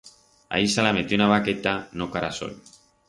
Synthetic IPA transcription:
a̰isalamet̪onaβaket̪anokaɾaso̰ʎ

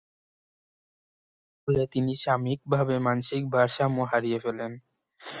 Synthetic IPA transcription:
olet̪iniʃamik̚bʱabemanʃik̚bʱaɾʃamuɦaɾiefelen

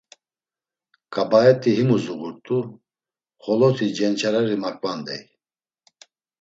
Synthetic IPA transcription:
kʼabaɛt̪ʼiɦimuzuɣuɾt̪ʼu | χɔlɔt̪ʰid͡ʒɛnt͡ʃʰaɾaɾimakʼvand̪ɛ̰j

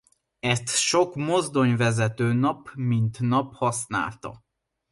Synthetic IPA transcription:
ɛst̪ʃo̞kmo̞zd̪o̞ɲvɛzɛt̪øːnɒpmint̪nɒphɒsna̰ːlt̪ɒ̰

